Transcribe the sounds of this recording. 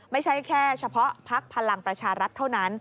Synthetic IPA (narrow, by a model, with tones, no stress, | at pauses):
ma˥˩jt͡ɕʰa˦˥˩jkʰɛː˥˩t͡ɕʰa˧pʰɔ˦˥ʔpʰa˦˥k̚pʰa˧la˧ŋpɾa˧t͡ɕʰaː˧ɾa˦˥t̪ʰːa˥˩wna˦˥n